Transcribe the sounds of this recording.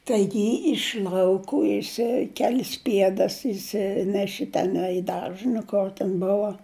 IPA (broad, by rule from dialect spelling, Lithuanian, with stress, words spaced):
ˈtɐɪɡʲɪ ɪʃ lˠɐʊˈkuː jɪˈsɐɪ ˈkʲæːlʲɪs ˈpʲiɛdɐs ɪʃʲˈsʲɪnʲɛʃʲɪ tʲɛˈnɐɪ ɪ ˈdɐrʒə nʊ ˈkoːr tʲɛn ˈboːʋɐ